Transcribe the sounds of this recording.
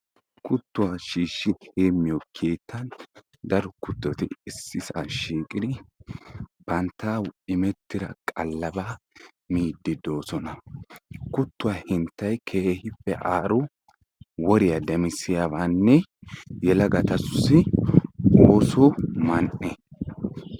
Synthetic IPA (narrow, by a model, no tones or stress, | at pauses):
kʰʊt̪ːʊwaʃiːʃːɪheːmːɪjɔkʰeːt̪ːɐn | d̪ɐɾɔkʊt̪ːɔt̪ɪɪsːɪsaʃiːkʼɪd̪ɪ | b̥ɐnt̪ːaːwɪmɛt̪ːɪɾɐ̰kʼɐlːɐbaː | miːd̪ːɪd̪o̞ːsɔnɐ | kʊt̪ːʊwaːhɪnt̪ːɐjkʰeːhɪfːɛ̰ʔaːɾʊ | wɔɾɪjɐd̪ɛmɪsɪjabaːnːɛjɛlɐɡɐt̪ɐsʊsɪ | oːsɔmɐnʔɛ